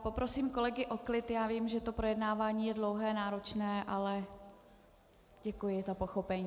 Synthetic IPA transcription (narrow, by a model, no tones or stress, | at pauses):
po̞pɾo̞siːmko̞lɛɡɪʔo̞klɪt̪jaːviːmʒɛt̪o̞pɾo̞jɛdnaːvaːɲiːjɛdlo̞wɦɛːnaːɾo̞t͡ʃnɛːʔalɛ | ɟ̥ɛkujɪzapo̞xo̞pɛɲiː